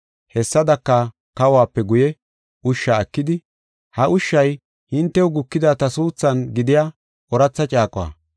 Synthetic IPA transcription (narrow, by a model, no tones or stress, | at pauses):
hɛsːɐd̪ɐkːɐ | kɐwaːpːɛɡʊjɛ | ʊʃːaːkːɪd̪ɪ | hɐʔʊʃːɐj | hɪnt̪ːɛwʊɡʊkːɪd̪aːt̪ɐsuːt͡sːɐnɡɪd̪ɪjaː | ɔɾɐt͡sːɐt͡ʃʼaːkʼɔwa̰